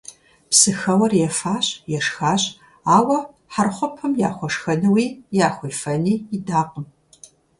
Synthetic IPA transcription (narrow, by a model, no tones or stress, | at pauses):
psɨxɐwɐrjɛfaːɕʼjɛʂxaːɕʼ | aːwɐ | ħarχʷɔpʰɐmja̰ːχʷɔʂxɐnɨwiːjaːχʷijfɐniːɪdaːqəm